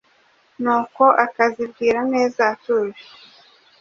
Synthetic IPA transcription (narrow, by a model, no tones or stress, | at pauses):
nuːko̞ʔakazibɡiːɾane̞ːzatuvi